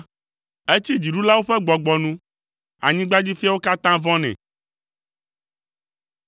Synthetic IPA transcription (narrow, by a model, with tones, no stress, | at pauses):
e˦t͡ɕi˦d͡ʑi˨ɖu˦la˦wo˦ɸɛ˦ɡ͡bɔ˨ɡ͡bɔ˨nũ˦ | a̰˨ɲĩ˦ɡ͡ba˦d͡ʑi˦fi˦a˦wo˦ka˦t̪ã˦vɔ̃˦nɛ̰̃˨